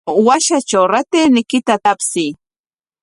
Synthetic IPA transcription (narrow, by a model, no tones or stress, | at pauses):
waʃat͡ʃawɾat̪eːnɪkɪt̪at̪apsɪj